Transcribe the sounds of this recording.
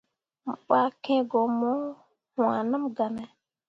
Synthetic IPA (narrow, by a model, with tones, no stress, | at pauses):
m̩˨k͡pa˦kẽ˦ɡɔ˨mɔ˦ | hwa˨nə˦mɡa˨nɛ˨